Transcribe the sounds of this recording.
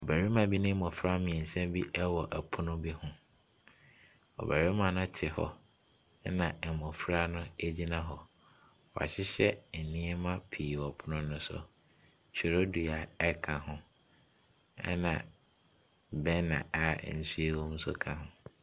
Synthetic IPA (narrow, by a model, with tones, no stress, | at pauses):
ɔ˨bæ˨ɾi˦mã˨bi˦nʊ̃˦mɔ̃˨fɾa˦mĩ˨ɛ̃˨n̩˨sɛ̃˦mbi˦ʔɛ˦wɔ˨ʔæ˨pʰʊ˦nʊ̃˦bi˦hʊ̃˦ | ɔ̰˨bæ˨ɾi˦mã˨nʊ̃˦tʰɪ˨hɔ̰˦ | nã˨ɛ˨mɔ̃˨fɾa˦nʊ̃˦e˦d͡ʑi˦nã˦ɦɔ˨ | wɔ˨a̰˨ɕɪ˦ɕɛ˦˨nĩ˦e˦mã˦pʰiː˨wɔ˨pʰʊ˦nʊ̃˦nʊ̃˦sʊ̰˨ | t͡ɕʰᶣɪ˨ɾo˦du˨a˨ɛ˦kʰã˨ɦʊ̃˦ | ɛ̰˦nã̰˨ | bɛ˦nã̰˨a˦˨n̩˨˦si˦e˦wõ˦m̩˦sʊ̰˦kʰã˨ɦʊ̃˨